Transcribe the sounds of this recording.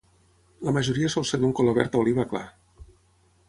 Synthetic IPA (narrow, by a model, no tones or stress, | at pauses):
ləməʒuɾiəsɔlˠsed̪uŋkoloβɛ̰ɾt̪aoliβakla̰